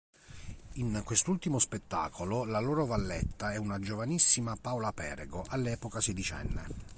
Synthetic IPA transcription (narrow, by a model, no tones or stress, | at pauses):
iŋkwest̪ult̪imospet̪ːa̰ːkʰololaloːɾovalːɛt̪ːaɛunad͡ʒovanisːimapawlapɛ̰ːɾeɡoʔalːɛːpokased̪it͡ʃɛ̰nːḛ